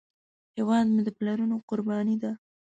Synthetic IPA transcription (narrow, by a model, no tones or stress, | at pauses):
hewɑd̪mud̪əplaɾunoqʊɾbɑnid̪a